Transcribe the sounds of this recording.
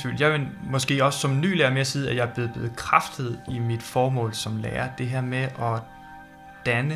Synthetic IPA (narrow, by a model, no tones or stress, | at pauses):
fy̰ːljɑ̈ɪʋemɒ̽sɡ̥e̝̰ːɒ̽ssɒ̽mny̰ːlæːɐmeɐsiːðˠæjɑ̈b̥le̝ːð̩ˠb̥le̝ːð̩ˠkʰʁɑfd̥ð̩ˠimid̥fɒːmɔ̰̽ːlsɒ̽mlḛːɐd̥e̝ɦæɐ̰meʔɒ̽ | d̥ænə